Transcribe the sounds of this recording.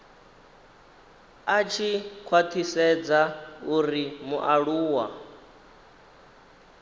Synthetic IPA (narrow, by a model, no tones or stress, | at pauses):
at͡ʃʰikʰwat̪ʰisɛd͡zauɾimuʔaɺuːwa